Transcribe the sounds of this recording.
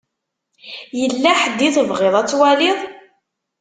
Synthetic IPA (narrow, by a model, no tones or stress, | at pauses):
jəlːæħəd̪ːiθəvʁɪðˤæt͡sːwæliðˤ